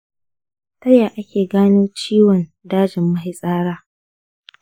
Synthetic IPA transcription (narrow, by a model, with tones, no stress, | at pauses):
tɐ˦jaː˨ʔa˦kʲeː˨ɡaː˦niː˦t͡ʃiː˦wɔ˨n | daː˦d͡ʒɪ˨mːɐ˦ɦɪ˦sʼaː˦ɽaː˦